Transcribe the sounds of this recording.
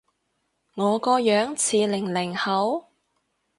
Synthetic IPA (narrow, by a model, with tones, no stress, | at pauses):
ŋɔː˨˧kɔː˧jœː˨˥ŋt͡sʰiː˨˩lɪ˨˩ŋlɪ˨˩ŋhɐ˨˥w